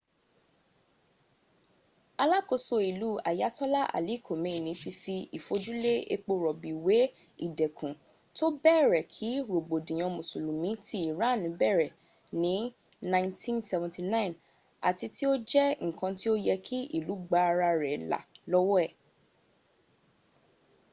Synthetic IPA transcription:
a˧la˦ko˧so˧i˨lu˨˦a̰˨ja˨˦tɔ˦la˦ʔa̰˨li˨˦˨kʰo˨mẽ˨˦˨nĩ˨˦si˧fi˧i˨fo˧d͡ʒu˦le˦e˧k͡po˧ɾɔ˨bi˨we˨˦ | ḭ˦˨dɛ˨kʰũ˨ | to˦bɛː˦˨ɾɛ˨kʰi˨˦ɾo˨ɡ͡bo˨dĩ˨j̃ɔ̃˧mõ˨su˨lũ˨mĩ˨˦ti˦i˨ɾa˨˦˨nĩ˨˦bɛ˦˨ɾɛ˨ | nĩ˨˦ | nã˦ɪ̃˦ntʰĩ˦nsɛ˧vɔ̃˨ti˧nã˦˨n | a̰˨ti˧ti˦o˦d͡ʒɛ˦ŋ̩˨kã˧ti˦o˦jɛ˧kʰi˦ʔḭ˨lu˨˦ɡ͡ba˧ɾa˧ɾɛ˨la̰˨lɔ˦wɔ˦ɛ˦˨

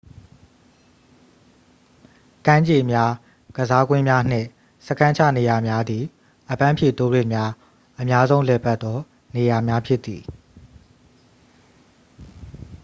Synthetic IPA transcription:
kã˦ɲd͡ʑe˨mja˦ | ɡ̥əza˦ɡwɪ̃˦mja˦n̥ɪ̰̃˦˨ | sə˦kʰã˦ɲt͡ɕʰä̰˦˨ne˨ja˨mja˦d̪ði˨ | ʔəpã˦mpʰjḛ˦˨t̪o˦dwḛ˦˨mja˦ | ʔə˨mja˦zõ˦ʊ̃lɛ˨pa˦t̪ːɔ˦ | ne˨ja˨mja˦pʰjɪ˦ʔt̪ːi˨

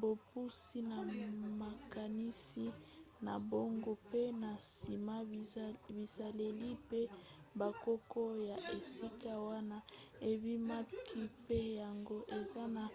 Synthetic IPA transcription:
bo˨pu˦si˦na˨ma˨ka˨ni˦si˦ | na˨bo˦ŋɡo˦pe˦na˨si˨ma˦bi˨za˨le˨li˦pe˦ | ba˨ko˦ko˦ja˨ʔe˨si˦ka˦wa˦na˦e˨bi˦ma˦kʰi˦pe˦ja˨ŋɡo˦ʔe˨za˦na˨

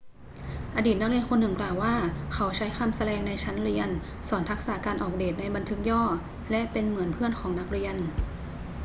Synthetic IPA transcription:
ʔa˧diː˨˩t̪̚n˦˥kɾi˧ənkʰo˧nːɯ˨˩ŋklaː˨˩wːaː˥˩kʰa˦˥wt͡ɕʰa˦˥jxa˧msa˧ɾɛː˧ŋna˧jt͡ɕʰa˦˥nli˧ən | sɔː˩˦nt̪ʰa˦˥k̚saː˩˦kaː˧nʔɔː˨˩k̚deː˨˩t̪̚na˧jba˧nt̪ʰɯ˦˥k̚jɔː˥˩ | lɛ˦˥ʔpe˧nmɯ˩˦ənpʰɯ˥˩ənkʰɔː˩˦ŋna˦˥k̚ɾi˧ən

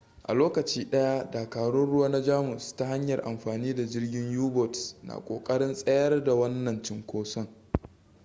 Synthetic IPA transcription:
ʔa̰˨loː˦kɐ˨t͡ʃiː˦ɗɐ˦ja˦daː˨kaː˨ɽʊ˦nɽʊ˦waː˦na˦d͡ʒaː˦mʊ˨sta˦ha˦ɲjɐ˨rʔa̰˨mɸaː˨niː˦da˨d͡ʒɪ˦rɡʲɪ˦ɲjuː˦bɔ˨tsna̰˨kʷʼo̰ː˨kʼɐ˦ɽɪ˦nsʼɐ˦jɐ˦rda˨wɐ˦nːɐ˨nt͡ʃɪ˦ŋkʷoː˦sɔ˦ŋ

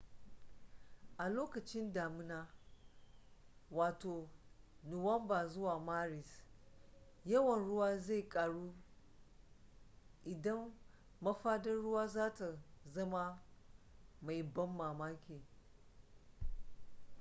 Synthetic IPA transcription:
ʔa˨loː˦kɐ˨t͡ʃɪ˦ndaː˨mɪ˦naː˦ | waː˨toː˨nʊ˨wɐ˦mbaː˨zʊ˦waː˨maː˦ɾɪ˨s | jɐ˦wɐ˨nɽʊ˦waː˦za˦˨kʼaː˨ɽuː˦ | ʔɪ˨dɐ˦mː | ɐ˦ɸaː˦dɐ˦nɽʊ˦waː˦zaː˦ta˨zɐ˦ma˦ | ma˨jbɐ˦mːaː˨maː˦kʲeː˨

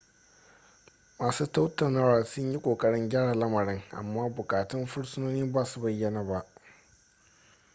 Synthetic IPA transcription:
maː˨suː˦ta˦wtɐ˨naː˦waː˨sʊ˦ɲji˦kʷʼoː˨kʼɐ˦ɽɪ˦ŋɡʲaː˦ɽaː˨lɐ˦mɐ˨ɽɪ˦ŋʔa̰˨mːaː˦bʊ˨kʼaː˨tɪ˦mɸʊ˦ɽsʊ˦noː˦niː˦baː˦su˦bɐ˦jːɐ˨naː˨ba˦ʔ

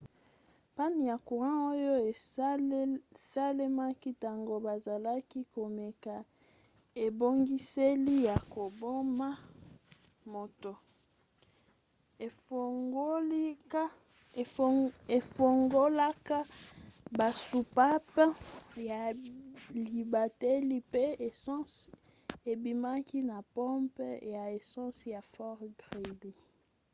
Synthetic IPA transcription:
pa˦ni˨ja˨ku˨ʁã˦o˦jo˦e˨ | sa˦le˦ma˦ki˦ta˨ŋɡo˦ba˨za˨la˦ki˦ko˨me˨ka˨ | e˨bo˦ŋɡi˦se˦li˦ja˨ko˨bo˦ma˦ | mo˨to˨˦ | e˨fo˨ŋɡo˦la˦ka˦ba˨su˨pa˦pja˨ | li˨ba˨te˦li˦pe˦e˨˦s | e˨bi˨ma˦ki˦na˨pɔ̃˦mpja˨e˨sɔ̃˦sja˨fɔ˦ʁɡʁe˨di˨

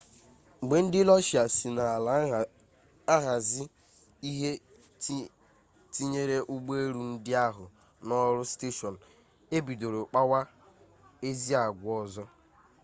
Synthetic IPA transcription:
ɡ͡be˨n̩˦dɪ˦lɔ˦ʃi˨a˨si˨na˨ | a˦ɦa˨zɪ˦ | i˦ɦe˦ | ti˦ɲe˦ɾe˦ʔʊ˦ɡ͡be˦e˦ɾu˨n̩˦dɪ˦a˦ɦʊ˨ | nɔ˦ɾʊ˦ste˦ʃɔ˨n̩˨ | e˦bi˨do˨ɾo˨k͡pa˦wa˦ | e˦zi˦a˨ɡʷʊ˨˦ɔ˦zɔ˦

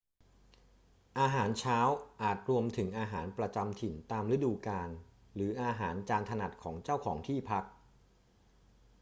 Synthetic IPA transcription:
ʔaː˧ɦaː˩˦nt͡ɕʰaː˦˥wʔaː˨˩t̪̚ɾu˧əmt̪ʰɯ˩˦ŋʔaː˧ɦaː˩˦npɾa˧t͡ɕa˧mt̪ʰi˨˩nt̪aː˧mɾɯ˦˥duː˧kaː˧n | ɾɯː˩˦ʔaː˧ɦaː˩˦nt͡ɕaː˧nt̪ʰa˧na˨˩t̪̚kʰɔː˩˦ŋt͡ɕaː˥˩wkʰɔː˩˦ŋt̪ʰiː˥˩pʰa˦˥k̚

